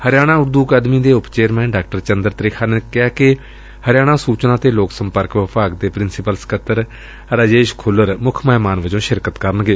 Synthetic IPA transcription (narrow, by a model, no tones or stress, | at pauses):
həɾɪjaːɽ̃aːʊɾd̪uːkaːd̪miːd̪eːʊpt͡ʃeːɾmɛ̃ːnɖaːk̚ʈəɾt͡ʃənd̪əɾt̪ɾɪkʰaːnekɪaːkɪ | həɾɪjaːɽ̃ãːsuːt͡ʃnaːt̪eːloːksəmpəɾkʋəpaːkd̪eːpɾɪnsɪpəlskət̪ːəɾ | ɾaːd͡ʒeːʃkʰʊlːəɾmʊkʰməɦmaːnʋəd͡ʒõːʃɪɾkət̪kəɾənɡeː